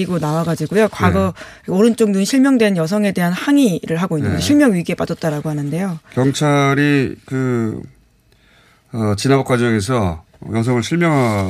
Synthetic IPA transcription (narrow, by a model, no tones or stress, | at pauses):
iɡonawaɡad͡ʑiɡojokwaɡʌoɾɯnt͡ɕ͈oŋnunɕʰiɭmjʌŋdwe̞njʌs̬ʰʌŋe̞de̞ɦanhaŋiɾɯɭɦaɡoinːɯnɡeɕʰiɭmjʌŋɥiɡie̞p͈adʌt̚t͈aɾaɡoɦanɯnde̞jokjʌŋt͡ɕʰaɾikɯ | ʌt͡ɕinabokwad͡ʑʌŋe̞s̬ʰʌ̰ | jʌs̬ʰʌŋɯɭɕʰiɭmjʌŋɦa